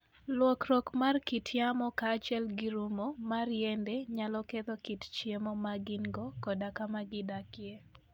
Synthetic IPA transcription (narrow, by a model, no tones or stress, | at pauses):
lwɔkɾɔkmarkitʰjamɔkaːt͡ʃɛlɡɪɾumomarjɛndeɲalɔket̪ɔkitt͡ʃjemɔmaɡɪŋɡɔkɔdakamaɡɪdakje